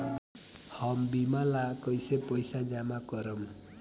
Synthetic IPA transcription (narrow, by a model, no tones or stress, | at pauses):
hʌmbimalakʌjsepʌjsad͡ʒamakʌɾʌm